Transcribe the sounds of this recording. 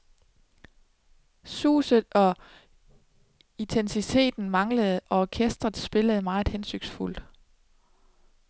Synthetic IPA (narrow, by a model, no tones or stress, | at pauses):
sṵːsð̩ˠɒ̽ | it͡sʰensit͡sʰe̝̰ːd̥n̩mɑ̈ŋləð̞̩ˠʔɒ̽ɒkʰesd̥ʁɐð̩ˠsb̥e̝ləð̞̩ˠmɑ̥̈ːhensøɡ̥sful̰d̥